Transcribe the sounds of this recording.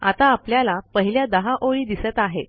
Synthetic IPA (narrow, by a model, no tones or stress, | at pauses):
a̰t̪aːpljalapəɦiljad̪əɦaʔoɭiːd̪iset̪aɦet̪